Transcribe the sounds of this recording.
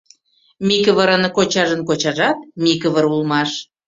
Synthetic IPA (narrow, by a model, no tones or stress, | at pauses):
mikəβəɾənkot͡ɕɑʒənkot͡ɕɑʒɑt̪̚mʲikəβəɾulmɑʃ